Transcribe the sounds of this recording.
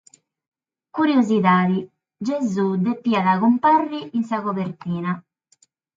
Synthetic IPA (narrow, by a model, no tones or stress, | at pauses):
kuɾjoziðaːði | d͡ʒezud̪epːiːaðaɣumparːiins̬aɣoβeɾt̪iːna